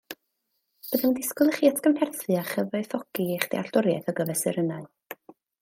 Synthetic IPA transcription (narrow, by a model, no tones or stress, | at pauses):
b̥əðɛndɪskʊlˠəχiːatʰkəmhɛrθɨaχəvɔɨθɔkiejχd̥ḛa̰ɬtʊɾja̰θɔɡəvɛsɨɾənaɨ